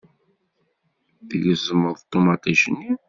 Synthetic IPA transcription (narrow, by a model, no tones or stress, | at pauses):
θəʝəzəmːəðˤt̪ˤːomɑt̪iʃənːi